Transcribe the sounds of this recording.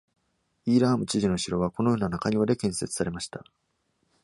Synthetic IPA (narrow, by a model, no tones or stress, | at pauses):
iːɾaːmɯ̟t͡ɕiʑino̞ɕiɾo̞β̞ako̞no̞jo̞ːnanakaɲ̟iβad̪e̞kẽ̞ɰ̃se̞t͡sɨ̥saɾe̞maɕi̥t̪a